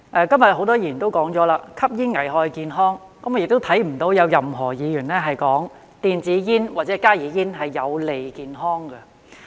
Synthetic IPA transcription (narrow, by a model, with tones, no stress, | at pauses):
ʔɛː˧kɐ˥mjɐ˨t̚ho˨˧˥wt̪ɔː˥jiː˨˩nt̪o˥wkɔː˨˥ŋt͡sɔː˨˥laː˧kʰɐ˥p̚jiː˥nŋɐ˨˩jɦɔː˧jkiː˨˧nɦɔː˥ŋ | kɐ˨˥mɔ˧jɪ˨k̚t̪o˥wt̪ʰɐ˨˥jm̩˨˩t̪o˨˧wjɐ˨˧wjɐ˨mɦɔː˨˩jiː˨˧jyː˨˩nɛː˥ɦɐ˨jkɔː˨˥ŋ | t̪iː˨nt͡siː˨˧jiː˥nwaː˨t̚t͡sɛː˨˥kaː˥jiː˨˧jiː˥nɦɐ˨jːɐ˨˧wle˨jkiː˨nɦɔː˥ŋɡɛ˧